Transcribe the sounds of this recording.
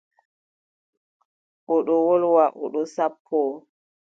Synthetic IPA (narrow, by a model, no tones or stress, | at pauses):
ʔɔɗɔwɔlwaʔɔ̰ɗɔsapʰːɔ